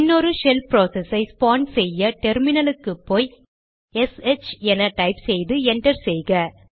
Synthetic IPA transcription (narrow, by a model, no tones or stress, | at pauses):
nːɔɾɯʃɛlpɾoːsɛsɐɪspaːɳɖsɛjːɐʈɛɾmɪnɐlɯkːɯpːoːj | ɛsɛt͡ʃɛnɐʈɐɪpsɛjðɯɛɳɖɐɾsɛjɣɐ